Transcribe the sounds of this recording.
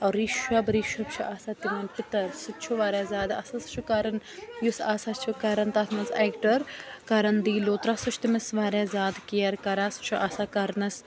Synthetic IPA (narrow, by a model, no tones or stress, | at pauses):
ɐːɾiʃɐbɾiːʃɐb̚t͡ʃʰuʔaːsaːt̪imɐnpɪt̪ɐɾsɨt͡ʃʰuʋaːɾaːzaːd̪ɐ̰sɐst͡ʃʰukaːɾɐnjusaːsaːt͡ʃʰukaːɾɐnt̪aːt̪ʰmɐzeːkʈɐɾkaːɾɐnd̪iːloːt̪ɾaːsut͡ʃʰt̪imɐsʋaːɾazaːd̪kijɐɾkɐɾaːst͡ʃʰuʔaːsaːkɐɾnɐs